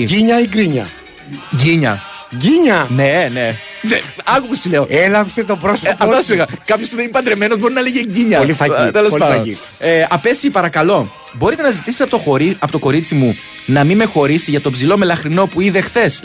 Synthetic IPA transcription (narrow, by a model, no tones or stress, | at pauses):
iɲɐiɡɾiɲɐ̰ | ɟiɲɐ̰ | ɟiɲɐnene̞ | neɐkopost̪uleoelɐmpset̪opɾosɐft̪ɐsuleɣɐkɐpçospuðenimpɐd̪ɾeme̞nozbo̞ɾinɐleʝeɟiɲɐolifɐt̪elo̞spɐɐi | eɐpe̞sipɐɾɐkɐlo̞ | bo̞ɾit̪e̞nɐzit̪ist̪ept̪ooɾiɐpot̪o̞ko̞ɾit͡simu | nɐmimexo̞ɾisiʝɐt̪o̞pzsilo̞me̞lɐxɾino̞puiðe̞xθe̞s